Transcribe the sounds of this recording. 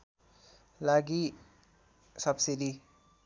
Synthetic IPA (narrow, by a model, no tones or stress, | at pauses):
laɡi | sʌbsiɾi